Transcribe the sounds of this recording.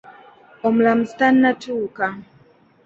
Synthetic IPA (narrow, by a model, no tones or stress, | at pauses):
ɔm̩lam̩stanːatuːka